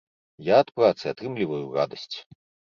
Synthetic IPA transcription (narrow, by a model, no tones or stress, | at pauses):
jaːt̪pɾat̪sɨat̪ɾɨmlʲivɐjurad̪ɐsʲt͡sʲ